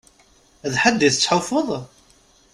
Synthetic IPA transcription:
ðħəd̪ːiθt͡sːħʊfəðˤ

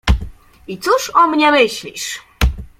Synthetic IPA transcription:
it̪suʂɔmɲɛmɘɕlʲḭʂ

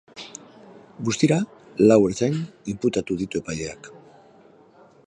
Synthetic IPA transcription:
ɡust̪iɾalaweɾt͡sajnimput̪at̪uðit̪ue̞paje̞ak

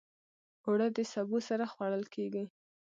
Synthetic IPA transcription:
oɽad̪əsabusaɾaxwaɽəlkeɡi

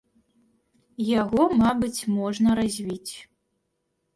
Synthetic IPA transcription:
jaɣɔmabɨt͡sʲmɔʐnɐɾazʲvʲit͡sʲ

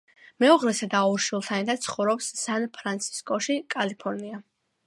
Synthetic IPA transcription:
mɛɔʁlɛsad̪aːuɾʃwilˠt̪ʰanɛt̪ʰat̪sʰχɔvɾɔpsːanpʰɾant̪sʰi̥skʼɔʃikʼalipʰɔɾnia

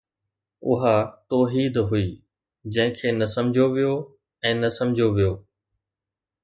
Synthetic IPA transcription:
ʊɦat̪ɔːɦiːd̪ɦuiː | d͡ʑɐ̃ɦɪ̃kʰeːnɐsɐ̃md͡ʑʱoʋijo | ɛ̃ːnɐsɐmd͡ʑʱjoʋijoː

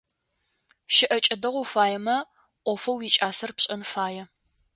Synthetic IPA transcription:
ʃɪʔɐt͡ʃʼɐdɐʁʷʊfaːjɛmɐ | ʔʷɔfɐwjit͡ʃʼaːsɐrpɕʼɐnfaːjɛ

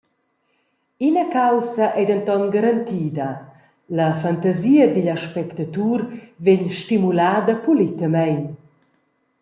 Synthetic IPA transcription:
inəkawsɐʔɛd̪ənt̪ɔnɡaɾant̪iːd̪ɐ | lɐfant̪aziːəd̪iʎaʃpɛkt̪at̪uːɾveɲʃtimulaːd̪əpulit̪əmɛjn

